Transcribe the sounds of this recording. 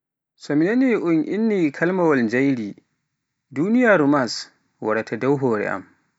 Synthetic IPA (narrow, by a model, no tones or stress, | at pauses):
sɔminaniʔunʔinːikʰalmawald͡ʒajɾi | dunijaːɾumas | waɾatʰadawɦɔːɾɛ̰ʔa̰m